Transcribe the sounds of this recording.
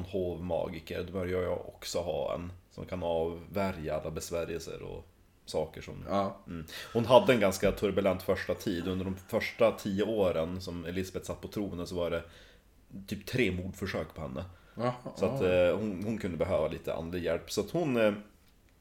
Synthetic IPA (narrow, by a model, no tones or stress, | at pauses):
nhoːvmɑ̰ːɡɪkə̰ɾd̪ɛbœːɾjɑjɑ̰ʔɔ̰ksɔɦɑ̰ːɛ̰nsɔ̰mkʰanɑːvːæɾjaalːabɛsvæːɾjəlsə̰ɾɔ̰ | sɑːkəʂɔ̰mm̩ːhʊnɦad̪ːəɛnɡanskat̪ʰɵɾbɵlɛnt̪fœʂʈat̪ʰiːd̪ɵnd̪əɖɔmfœʂʈat̪ʰiːəoːɾənsɔmɛlɪsabɛt̪sat̪ːpʰɔt̪ʰɾuːənd̪əsɔvaɖɛ | t̪ʰyːpt̪ʰɾeːmuːɖfœʂøːkpʰɔhɛnːə | sɔahʊnhʊnkʰɵnd̪əbɛɦøːvalḭːt̪ʰə̰a̰nlɪɡjɛlpːsɔat̪hʊn